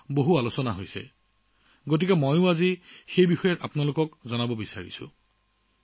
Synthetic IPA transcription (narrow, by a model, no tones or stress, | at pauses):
boɦualosɔnaɦojsɛ̰ | ɡot̬ikɛmojʊ̃azixejbixɔjɔtapnalokɔkzɔnabɔbisa̰ɹḭsʊ̰̃